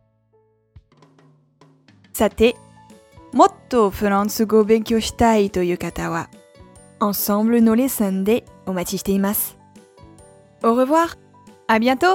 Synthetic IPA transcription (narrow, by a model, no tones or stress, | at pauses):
sat̪e | mot̪ːofølɑ̃d̪səɡobɛ̃kʲjoʃt̪ajt̪ojøkat̪awa | ɑ̃sɑ̃blənolesɛ̃nd̪eomat̪ʲiʃt̪eimas | oʁəvwaːʁ | abjɛ̃t̪o